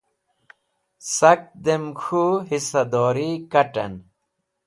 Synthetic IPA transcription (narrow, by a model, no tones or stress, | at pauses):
sɐk̚d̪emxuɦisɐd̪ɔːɾikɐʈɐ̰n